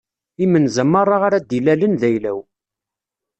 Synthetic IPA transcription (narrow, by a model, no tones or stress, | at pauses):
imənzəmːɑɾˤaʁaɾæd̪ilælənðæjlæw